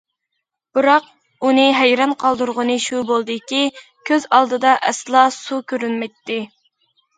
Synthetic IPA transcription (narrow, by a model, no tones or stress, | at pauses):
b̥ɨɾɑq̚ | unɨɦæjɾɑnqʰɑlˠd̪uɾʁənɨʃubolˠd̪ɨkʲi | kʲʰøzɑlˠd̪ɨd̪ɑʔɛslˠɑsukʲʰøɾynmɛjt̪ːɪ